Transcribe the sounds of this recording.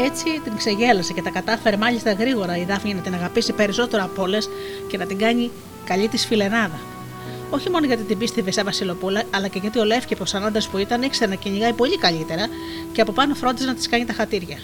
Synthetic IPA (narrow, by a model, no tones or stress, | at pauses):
e̞t͡sit̪iŋkse̞ʝe̞lɐsece̞t̪ɐkɐt̪ɐfe̞ɾemɐʎist̪ɐɣɾiɣo̞ɾɐiðɐfɲinɐt̪inɐɣɐpisipe̞ɾiso̞t̪e̞ɾoɐpo̞le̞s | ce̞nɐt̪iŋɡɐɲi | kɐʎit̪isfile̞nɐðɐ | o̞çimo̞noʝɐt̪it̪ibist̪evesɐvɐsilo̞pulɐːlɐceʝɐt̪io̞le̞fcept̪osɐnɐnd̪espuit̪ɐnikseɾenɐciɲiɣɐipo̞ʎikɐʎit̪e̞ɾɐ | ceɐpo̞pɐno̞fɾo̞nd̪isenɐt̪i̥skɐɲit̪ɐxɐt̪iɾʝɐ